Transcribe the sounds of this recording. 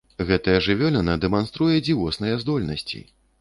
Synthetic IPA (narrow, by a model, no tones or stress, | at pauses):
ɣɛt̪ɐjɐʐɨvʲɔlʲɛnɐd̪ɛmanst̪ɾujɛd͡zʲiwɔsnɐjɛzd̪ɔlʲnɐ̰sʲt͡sʲḭ